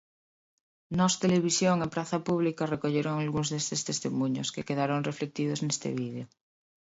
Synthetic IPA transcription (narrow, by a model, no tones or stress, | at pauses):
nɔst̪eleβisjoŋepɾaθapuβlikarekoʎeɾoŋalɣunzðest̪est̪est̪emũɲoskekeðaɾoŋreflek̚t̪ið̞oznest̪ḛβiðejo